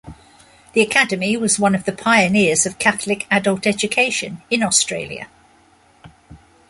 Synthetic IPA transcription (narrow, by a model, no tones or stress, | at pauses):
ðiəkʰadəmiwɒzwʌ̃nəvðəpʰaɪənɪəzəv̥kʰaθlɪkʰadəlˠtɛd͡ʒəkʰeɪʃə̰̃nɪ̃nɒstɹ̥eɪljə̰